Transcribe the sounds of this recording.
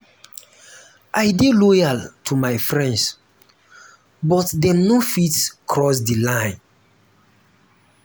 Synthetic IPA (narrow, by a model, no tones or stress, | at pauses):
ʔajdelɔjaltʰumajfɹɛ̃nds | bɔtdɛ̃mnofitkʰɹɔs̬dilãj̃n